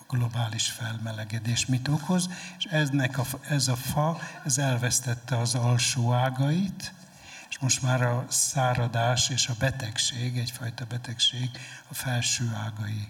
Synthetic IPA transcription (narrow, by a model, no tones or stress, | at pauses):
ɒɡ̥lo̞baːliʃfɛlmɛlɛɡɛd̪eːʃmit̪o̞ko̞zeʃɛnɛkɒɛzɒfɒɛzɛlvɛst̪ɛt̪ːɛɒzɒlʃoːaːɡɒjit̪ | eʃmo̞ʃt̪maːɾɒsaːɾɒd̪aːʃeːʃɒbɛt̪ɛkʃeːɡɛɟfɒjt̪ɒbɛt̪ɛkʃeːɡɒfɛlʃøːaːɡɒji